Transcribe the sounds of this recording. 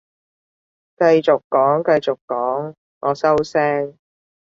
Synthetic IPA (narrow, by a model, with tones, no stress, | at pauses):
kɐ˧jt͡ʃo˨kkːɔː˨˥ŋkɐ˧jt͡so˨kkːɔː˨˥ŋ | ŋɔː˨˧sɐ˥wsɛː˥ŋ